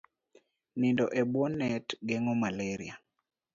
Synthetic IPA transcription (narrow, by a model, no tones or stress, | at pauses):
nindɔʔɛbwɔnːɛtɡɛŋɔmalɛɾḭa